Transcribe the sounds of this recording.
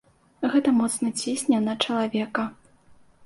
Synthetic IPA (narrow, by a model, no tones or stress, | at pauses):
ɣɛt̪ɐmɔt̪snɐt͡sʲesʲnʲanɐt͡ʂɐlˠavʲɛkɐ